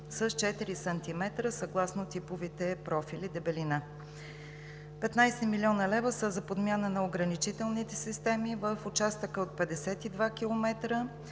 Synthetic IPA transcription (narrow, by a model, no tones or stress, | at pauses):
səst͡ʃɛt̪iɾisɐnt̪imɛt̪ɾəsɐɡlˠasnot̪ipʊvit̪ɛpɾɔfilid̪ɛbɛlina | pɛt̪najsɛmilʲiɔnəlɛvəsəzɐpod̪mʲjanənɐoɡɾənit͡ʃit̪ɛlˠnit̪ɛsist̪ɛmivəfʊt͡ʃast̪əkəot̪̚pɛd̪ɛsɛt̪id̪vak̟ilˠomɛt̪ɾə